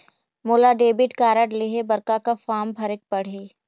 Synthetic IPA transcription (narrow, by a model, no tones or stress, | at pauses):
moːlaɖeːbɪʈkaːɾəɖleːɦebɐɾkakafaːmbʱɐɾɪk̚pɐɽ̤eː